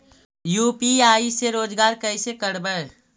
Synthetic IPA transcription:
juːpiaːiseɾoːd͡ʒɡaːɾkəɪsekəɾbə

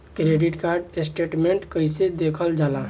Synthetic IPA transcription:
kɾeɖiʈkaɾɖesʈeʈmeɳʈkəjsed̪ekʰəld͡ʒala

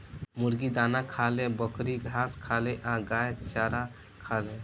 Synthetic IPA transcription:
muɾɡid̪aːnakʰalẽbəkʰɾiɡʱaskʰaleʔaɡajt̪t͡ʃaɾa | kʰalẽ

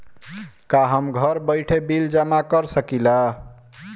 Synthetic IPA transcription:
kaɦəmɡʱəɾbəjʈʰebild͡ʒəmakəɾsəkila

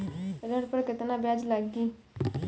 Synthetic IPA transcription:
əd̪əɽpəɾkət̪ənabjad͡ʒlaɡi

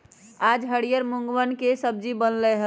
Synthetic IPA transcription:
ad͡ʒɦəɽijəɾmuŋɡʋənkesəb̚d͡ʒibənlɛɦə

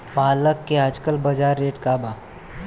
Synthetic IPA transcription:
paːləkːeəd͡ʒkəlbɐd͡ʒaːɾːeːʈkaːbaː

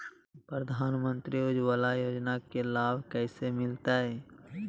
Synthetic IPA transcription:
pɾəd̪ʱaːnmə̃nt̪ɾiʊd͡ʒwaːlajoːd͡ʒnakelaːbʱkɛːsemɪlt̪aɦɛː

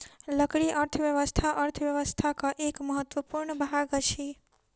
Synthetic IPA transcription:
ləkɽiʔəɾt̪ʰəʋjəʋəst̪ʰaʔəɾt̪ʰəʋjəʋəst̪ʰakaʔekməɦət̪wəpuɾɳəbaɡət͡ʃʰi

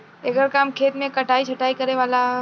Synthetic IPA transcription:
ɐɡəɾkaːmkʰeːt̪mẽkɐʈaːit͡ʃʰɐʈaːikɐɾeʋaːla

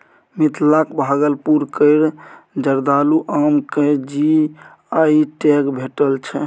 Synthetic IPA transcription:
mit̪lakbʱaɡəlpuɾkəɪɾd͡ʒəɾd̪aluʔamked͡ʒi | aiʈekbʱeʈəlt͡ʃʰɛ

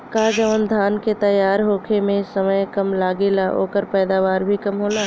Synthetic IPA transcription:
kaːd͡ʒəʋənd̪ʱaːnket̪ɐjaːɾɦoːkʰemẽsəməjkɐmlaːɡelaʔo̰ːkəɾpɛːd̪aːʋaːɾbʱikɐmɦoːlaː

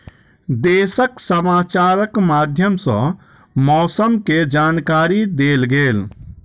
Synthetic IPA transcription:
d̪eːsəksəmaːt͡ʃaːɾəkmaːd̪ʱjəmsɐ̰̃ | mɔːsəmked͡ʒaːnkaːɾid̪eːlɡeːl

